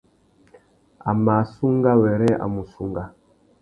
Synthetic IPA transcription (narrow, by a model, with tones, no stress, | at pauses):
a˨ma˨su˦ŋɡa˦wɛ˨ɾɛ˦a̰˨mu˨su˦ŋɡa˦